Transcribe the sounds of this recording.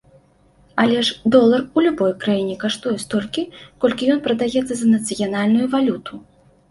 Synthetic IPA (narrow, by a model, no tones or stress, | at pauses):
alʲɛʂd̪ɔlˠɐrulʲubɔjkɾajinʲɛkaʂt̪ujɛst̪ɔlʲkʲikɔlʲkʲijɔnpɾɐd̪ajɛt̪sːɐzɐnɐt̪sɨjanalʲnujuvalʲut̪ʰu